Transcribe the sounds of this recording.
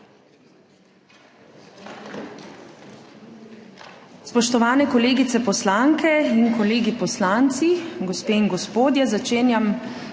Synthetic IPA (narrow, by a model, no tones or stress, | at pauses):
spɔʃt̪ɔʋaːnɛkɔleːɡit̪sɛpɔslaŋkʰɛinkɔleːɡipɔslaːnt̪siɡɔspeːiŋɡɔspoːd̪jɛzat͡ʃeːnjam